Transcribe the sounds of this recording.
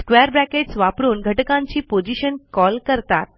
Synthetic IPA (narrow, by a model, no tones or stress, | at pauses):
skʋeəɾbɾækeʈsʋapɾuːnɡʱəʈəkãɲt͡ɕiːpod͡ʑiɕənkɔlkəɾt̪a̰t̪̚